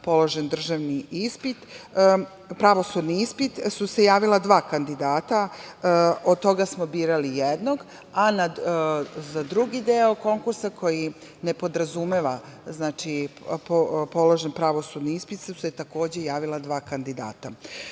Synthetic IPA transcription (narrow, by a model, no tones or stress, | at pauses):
po̞lo̞ʒend̪r̩ʒaʋniispit̪ | pɾaʋo̞sud̪niispit̪suse̞jaːʋilˠad̪ʋaːkand̪id̪aːt̪a | od̪̚t̪o̞ɡasmo̞biːɾalijed̪no̞ɡ | ana | zad̪ɾuɡid̪eoko̞ŋkuɾsakʰo̞jine̞po̞d̪ɾazumeʋaznaːt͡ʃippo̞loʒenpɾaʋo̞sud̪niispit̪seset̪ako̞ːd͡ʑe̞jaːʋilˠad̪ʋaːkand̪id̪a̰ːt̪a